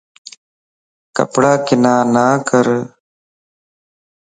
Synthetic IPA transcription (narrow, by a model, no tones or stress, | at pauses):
kə̰pɽaːkɪnaːnaːkəɾ